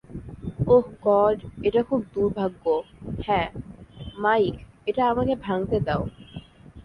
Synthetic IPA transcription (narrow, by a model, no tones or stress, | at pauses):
ohɡɔɖeʈakʰub̚d̪uɾbʱaɡːohɛ̃ | majkeʈaamakebʱaŋt̪ed̪ɛo